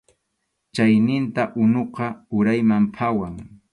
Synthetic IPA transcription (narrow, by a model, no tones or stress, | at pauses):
t͡ʃajnɪnt̪aʔʊnoqɑʊɾajmampʰawaŋ